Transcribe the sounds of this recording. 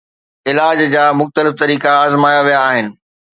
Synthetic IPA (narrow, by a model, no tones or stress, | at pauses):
ɪlaːd͡ʑd͡ʑaːmʊxt̪əlɪft̪ɐɾiːkaːzmaːjaʋijaːɦɪnɪ̆